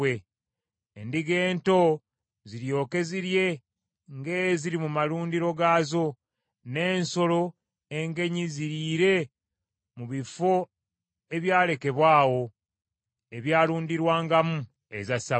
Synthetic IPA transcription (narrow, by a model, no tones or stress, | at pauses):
eː | ndiɡe̞ːnto̞ | ziɾjo̞ːke̞ziɾje̞ | ŋɡe̞ːjziɾimumaluːndiɾo̞ɡaːzo̞ | ne̞ːnso̞lo̞ | e̞ŋɡe̞ɲiziɾiɾe̞ | muβifo̞ | e̞βjaːle̞ke̞βwaːwo̞ | e̞βjaːluːndiɾwaːŋɡamu | ḛzasa